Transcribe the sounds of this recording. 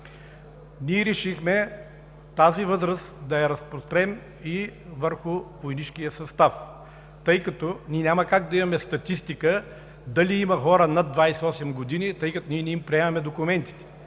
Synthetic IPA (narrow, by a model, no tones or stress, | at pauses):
niɛɾɛʃixmɛ | t̪azivɤzɾəsd̪ɐɛɾɐspɾost̪ɾɛm | ivəɾxʊvojnit͡ʃkijəsɐst̪af | t̪ɤjkɐt̪ɔnʲinʲamɐkaɡ̚d̪ɐimɐmɛst̪ɐt̪ist̪ikə | d̪ɐliimɐxɔɾənɐd̪vajsɛɔsɛmɡod̪init̪ɤjkɐt̪oniɛnʲiimpɾiɛmɐmɛd̪okʊmɛnt̪i̥t̪ɛ̥